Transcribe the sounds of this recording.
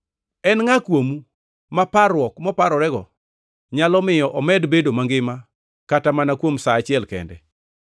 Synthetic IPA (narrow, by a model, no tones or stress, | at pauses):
ɛnŋakwomu | mapaɾwɔkmɔpaɾɔɾɛɡɔ | ɲalɔmɪjɔʔɔmɛdbedomaŋɡɪma | katamanakwomsaːt͡ʃɪɛlkɛ̰ndɛ̰